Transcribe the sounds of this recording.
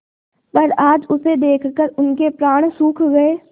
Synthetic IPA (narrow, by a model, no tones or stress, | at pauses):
pɐɾaːd͡ʒʊsed̪eːkʰkəɾʊnkepɾaːɽ̃suːkʰɡɐeː